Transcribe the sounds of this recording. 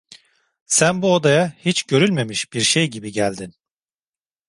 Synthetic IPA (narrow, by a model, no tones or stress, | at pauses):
sænbuod̪ajahit͡ʃɟø̞ɾylʲme̞miʃbiɾʃejɟibiɟælʲd̪in